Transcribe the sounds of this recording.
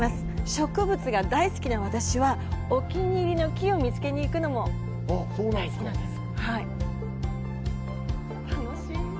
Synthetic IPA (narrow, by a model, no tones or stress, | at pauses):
masɨ̥ɕo̞kɯ̟bɯ̟t͡sɨɡad̪aisɨ̥kʲinaβat̪aɕiβao̞kʲiɲ̟ʲiːɾʲino̞kʲio̞mʲit͡sɨ̥ke̞ɲ̟iːkɯ̟no̞mo̞ | soːnã | ñd̪es | hai | t̪ano | i